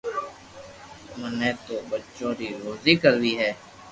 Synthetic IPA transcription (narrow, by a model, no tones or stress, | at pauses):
məneːt̪oːbət͡ʃõːɾiːɾoːziːkəɾd̪iːɦɛː